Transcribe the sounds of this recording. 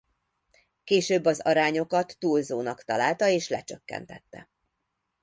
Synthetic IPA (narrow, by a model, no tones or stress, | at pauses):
keːʃøːbːɒzɒɾaːɲo̞kɒt̪ːuːlzoːnɒkt̪ɒlaːlt̪ɒeːʃlɛt͡ʃøkːɛ̰nt̪ɛt̪ːɛ̰